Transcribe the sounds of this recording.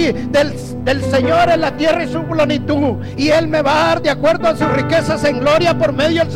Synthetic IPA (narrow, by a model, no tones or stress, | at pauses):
de | d̪e̞lse̞ɲo̞ɾe̞nlat̪je̞raisuplenit̪uð | ie̞lme̞βaaɾd̪jakwe̞ɾdoasusrike̞sase̞ŋɡlo̞ɾjapo̞ɾme̞ðjoðels